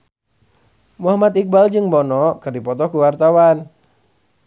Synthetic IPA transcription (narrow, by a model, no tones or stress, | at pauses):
muɦamat̪ik̚bald͡ʒɨŋbɔnɔkɨrdipɔt̪ɔkuwart̪awan